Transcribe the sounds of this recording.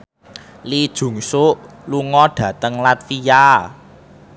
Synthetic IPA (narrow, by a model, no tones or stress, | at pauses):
lid̥ʒ̥ṳŋsʊʔ | luŋɔɖ̥ä̤t̪əŋlat̪fija